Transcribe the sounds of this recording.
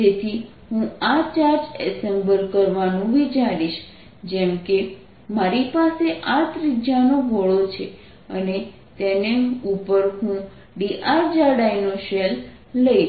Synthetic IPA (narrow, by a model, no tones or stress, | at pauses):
d͡ʒet̪ʰi | ɦũat͡ʃaɾd͡ʒɛ̰sembəlkəɾʋanũʋit͡ʃaɾiʃ | d͡ʒɛmke | maɾipaseʔat̪ɾid͡ʒjanoʋʱəɭot͡ʃʰe | ə̰ne | t̪eneupəɾɦũ | ɖiʔaɾd͡ʒaɖajnoʃelː | əi